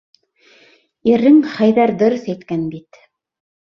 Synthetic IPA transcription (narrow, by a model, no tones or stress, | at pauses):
iɾːɘŋχæjðæɾd̪ɤ̆ɾɤθæjt̪kænbit̪